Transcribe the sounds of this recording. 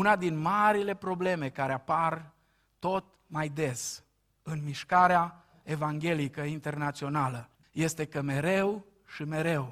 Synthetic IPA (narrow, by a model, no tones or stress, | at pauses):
unad̪inmaɾile̞pɾo̞ble̞me̞kaɾeapar | t̪o̞t̪̚ | majd̪e̞s | ɨnmiʃkaɾea | e̞vaŋɡʲe̞likəint̪e̞rnat̪sio̞nalə | je̞st̪e̞kəme̞ɾe̞w | ʃime̞ɾe̞w